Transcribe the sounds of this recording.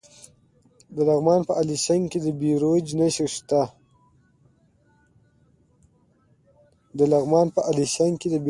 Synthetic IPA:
d̪əlaɣmɑnpəʔaliʃaŋɡked̪əbiɾod͡ʒnaʃəʂt̪a | d̪əlaɣmɑnpəʔaliʃaŋɡked̪əb

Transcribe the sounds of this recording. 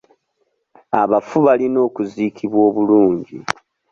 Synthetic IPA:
a̰βafuβalino̞ːkuziːkʰiβwo̞ːβuluːɲɟḭ

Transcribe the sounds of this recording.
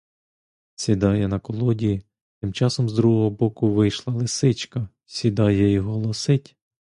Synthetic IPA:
sʲid̪ɑjɛnɐkɔlˠɔdʲiji | t̪ɪmt͡ʃɑsɔmzd̪ɾuɦɔɦɔbɔkʊʋɪjʃlˠɐlˠɪsɪt͡ʃkɐ | sʲid̪ɑjɛiɦɔlˠɔsɪtʲ

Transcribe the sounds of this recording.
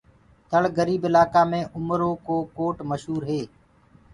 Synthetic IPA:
t̪ʰəɭɡəɾiːbɪlaːkaːmẽːʔʊmɾõːkoːkoːʈməʃɦuːɾɦeː

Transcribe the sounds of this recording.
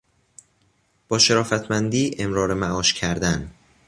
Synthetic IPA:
b̥ɒːʃe̞ɾɒːfæt̪ʰmænd̪iːʔe̞mɾɒːɾemæʔɒːʃcʰæɾd̪æn

